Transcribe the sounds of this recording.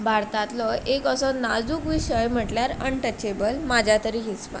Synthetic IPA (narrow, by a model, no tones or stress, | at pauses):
bʱaɾt̪at̪lɔekəsɔnad͡zuːkʋiɕəjm̤əʈljaɾəɳʈət͡ɕebəlmad͡ʑʱjat̪əɾiːɦispa̰